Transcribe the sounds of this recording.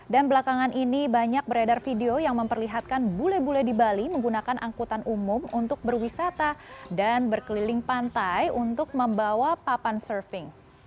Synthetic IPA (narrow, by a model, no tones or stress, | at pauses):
danbəlakaŋanʔinibaɲak̚bəɾadarfideojaŋməmpərliɦat̪̚kanbulɛbulɛdibaliməŋɡunakanʔaŋkut̪anʔumʊmunt̪ʊk̚bərwisat̪adanbərkəlilɪŋpant̪ajunt̪ʊk̚məmbawapapansərfɪŋ